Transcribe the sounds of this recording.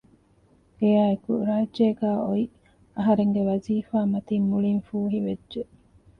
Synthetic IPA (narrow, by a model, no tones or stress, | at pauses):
ɡejaːekuɾaːdeːɡæːʔoi | ɐɦɐɾeŋɡeʋɐziːfaːmɐt̪imːuɭinfuːɦiʋedʒe